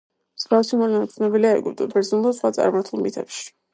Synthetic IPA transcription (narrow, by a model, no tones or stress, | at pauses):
sɡafsimɔlɛnat̪sʰnɛbiliaɛ̰ɡupd̪ɔ̰bɛɾzɔnulˠd̪asχwat̪sʼa̰ɾmaɾt̪ʰulˠmit̪ʰɛpʃi̥